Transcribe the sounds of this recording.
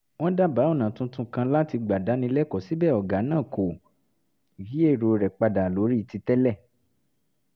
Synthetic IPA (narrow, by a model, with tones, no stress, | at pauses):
w̃ɔ̃˦da˦˨ba˨˦ɔ˦˨nã˨tũ˧˦tũ˧kã˧la˦ti˧ɡ͡ba˨da˨˦nĩ˧lɛ˦kɔ˨si˨˦bɛː˦˨ɔ˨ɡa˨˦nãː˦˨ko˨ | ji˨˦e˦˨ɾo˨˧ɾɛ˨k͡pa˧da˨lo˨˦ɾi˦i˨ti˧tɛ˦lɛ˦˨